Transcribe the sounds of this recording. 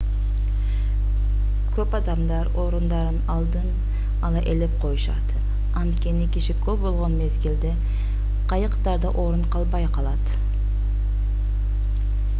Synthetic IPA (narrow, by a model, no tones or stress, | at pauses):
kʲʰɵpɑd̪ɑmd̪ɑɾoɾund̪ɑɾɨnɑlˠd̪ɨn | ɑlˠɑʔelɪp̚qʰojʊʃɑ̰d̪̥ɨ | ɑnt̪kʲenɪkʲʰɪʃɪkʲʰɵp̚bolˠʁɑnmezɡʲɪld̪e | qʰɑjəqt̪ɑɾd̪ɑʔoɾunqʰɑlˠbɑjqʰɑlˠɑd̪